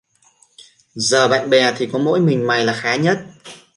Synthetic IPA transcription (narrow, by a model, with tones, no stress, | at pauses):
zəː˨˩ɓa̰ː˧˨nɓɛ˨˩t̪ʰi˨˩kɔ˨˦mo̰˧˥jmï˨˩ŋ̟ma˨˩jlaː˨˩xaː˨˦ɲə˦˥t̚